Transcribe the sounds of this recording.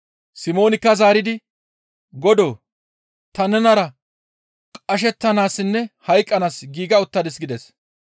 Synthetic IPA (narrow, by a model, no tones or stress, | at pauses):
sɪmo̞ːnɪkːɐzaːɾɪd̪ɪ | ɡɔd̪oː | t̪ɐnɛnɐɾɐ | kʼɐʃ̬ɛt̪ːɐnaːsːɪnːɛhɐjkʼːɐnaːsɡiːɡɐʊt̪ːɐd̪ɛsɡɪd̪ɛs